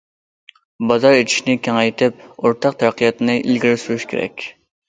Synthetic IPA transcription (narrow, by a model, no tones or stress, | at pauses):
bɑzɑɾet͡ʃ̪ʰi̥ʃnɪkʲʰeŋɛjt̪ʰɪp̚oɾt̪ʰɑq̚t̪ʰæɾqʰijɑt̪nɨʔilɡʲiɾɪsuɾuʃkʲʰḛɾɛ̰kʲ